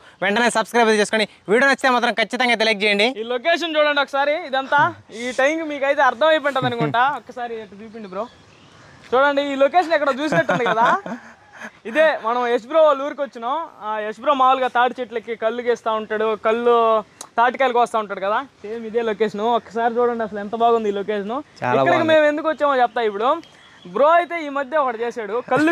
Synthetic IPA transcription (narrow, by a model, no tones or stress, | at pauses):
ʋɛɳʈɐneːsɐbskɾɐjbɐt̪t͡ʃeːsukoni | ʋiːɽunɐt͡ʃːit̪eːmaːt̪ɾɐmkʰɐt͡ʃːit̪ɐŋɡaːt̪eliːk̚d͡ʒɛːjɐɳɖiiːlok̬eːʂ̬ɐnt͡ʃuːɽɐɳɖiɔkːɐsaːɾiːd̪ɐnt̪aːiːʈɐjŋɡmiːkɐjt̪e̞ːɐɾd̪ʰʱɐmɐjp̬ɛɳʈɐːd̪ɐnukuʈaːɔkːɐsaːɾiʈːɐt͡ʃ̪uːp̬iɳɖipɾoː | t͡ʃuːɽɐɳɖiiːloːkeːʃ̬ɐnɛkːɐɽɐt͡ʃuːs̬nɐʈːunnd̪ikɐd̪aː | id̪eːmɐnɐ̃mes̬bɾoːluːɾikʋɐt͡ʃːinɐmesbɾoːmaːʋuluɡaːt̪aːʈit͡ʃeʈlɐkːikɐlːukɛːst̪aːuɳʈaːɽukɐlːut̪aːʈikɐːjlkʋɐst̪aːuɳʈːaːɽukɐd̪aːd̪eːmid̪e̞ːloːkeːʂɐnuɔkːɐsaːɾit͡ʃuːɽɐɳɖiɐsɐlɛnt̪ɐbaːɡund̪iːloːkeːʂnuikɐɽɐkime̞ːmend̪ukʋɐt͡ʃːeːmɐt͡ʃɛpɐt̪aːjip̬ːuɽu | bɾoːɐjt̪e̞ːiːmɐd̪jeɔkɐɽɐt͡ʃe̞ːsaːɽukɐlːu